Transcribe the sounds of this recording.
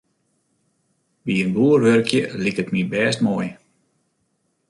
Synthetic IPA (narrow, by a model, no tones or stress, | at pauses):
ʋiənbuərʋørkʰjəlikətmibɛːstmoːj